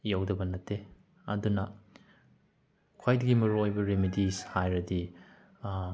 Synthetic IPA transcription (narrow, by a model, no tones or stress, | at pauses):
jawdɐbɐnɐtʰːe | ɐ̰dunɐ | kʰwajdɐɡimɐɾuojbɐɾimidishajɾɐdi